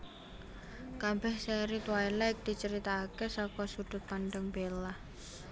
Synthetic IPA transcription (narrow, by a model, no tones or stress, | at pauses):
kabɛhsɛɾit̪wajlɛk̚d̪̥i̤t͡ʃəɾit̪aːkesɔkɔsud̪̥ʊ̤t̪̚panɖəŋb̥elah